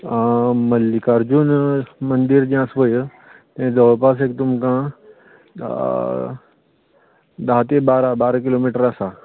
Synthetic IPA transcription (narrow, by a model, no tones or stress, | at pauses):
amɐlːikaɾd͡ʒunmɐnd̪iɾd͡ʒãsʋojə | t̪ẽd̪əpas̬ek̚t̪umkã | d̪aɦt̪ebaːɾabaːɾakilomiːʈəɾasa